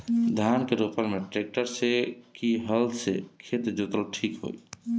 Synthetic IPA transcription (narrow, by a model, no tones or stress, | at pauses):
d̪ʱankeɾopəlmeʈɾek̚ʈəɾsekiɦəlsekʰet̪d͡ʒot̪əlʈʰikɦo̰j